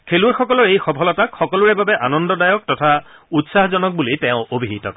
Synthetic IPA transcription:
kʰeluɹxɔkɔlɔɹejxɔpʰɔlɔtakxɔkɔlʊɹɛbabɛʔanɔndɔdajɔk̚tɔtʰa | utsaɦzɔnɔk̚bulitɛʊ̃obʱiɦitɔ̰k

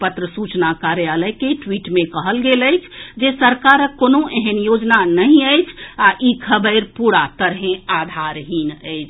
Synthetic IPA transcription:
pət̪ɾəsut͡ʃnakaɾjaləjkeʈwiʈmẽkəɦəlɡeləjt͡ʃʰd͡ʒesəɾkaɾəkːoːnõʔeɦənjod͡ʒnanəɦĩəjt͡ʃʰaʔikʰəbəɪɾpuɽat̪əɾɦẽad̪ʱaɾɦinəɪt͡ʃʰ

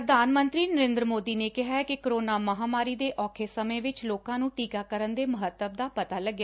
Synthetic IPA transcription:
ɾəd̪aːnmə̃nt̪ɾiːnəɾẽːnd̪ɾəmoːd̪iːneːkɪɦaːɛkɪkɾoːnaːməɦaːmaːɾiːd̪eːʔʔɔːkʰeːsəmẽːʋɪt͡ʃloːkãːnũːʈiːkaːkəɾənd̪eːməɦət̪ːəbd̪aːpət̪aːləɡːja

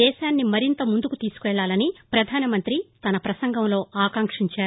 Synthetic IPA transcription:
ɛːʃaːnːimɐɾint̪ɐmund̪ukut̪iːsu̥kʋɛɭːaːlɐnipɾɐd̪ʱaːnɐmɐnt̪ɾit̪ɐnɐpɾɐsɐŋɡɐmlo̞ːʔaːkɐŋkʂiɲt͡ʃaːɾu

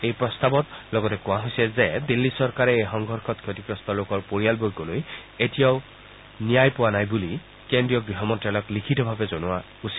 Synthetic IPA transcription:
ejpɹɔst̪abɔtlɔɡɔtɛkʊwaɦojsɛzɛdilːisɔɹkaɹɛejxɔŋɡʱɔɹkʰɔt̚kʰjotikɹɔstɔlokɔɹpoɹijalbojɡɔlojetijaʊ | nijajpʊwanajbuli | kendɹijɔɡɹiɦɔmɔntɹalɔklikʰitɔbʱabɛzɔnʊwa | usi̥

